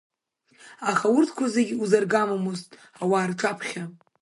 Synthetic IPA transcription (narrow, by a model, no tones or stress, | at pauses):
aχawʊrtʰkʷʰazeɡʲuzarɡamamoztʼ | awaːrʈ͡ʂʰʼapʰχʲa